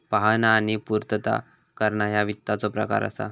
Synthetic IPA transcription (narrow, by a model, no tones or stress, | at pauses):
paɦananipuɾt̪ət̪a̰ | kəɾɳajaʋit̪ːat͡sɔpɾə̰ka̰ɾə̰sa̰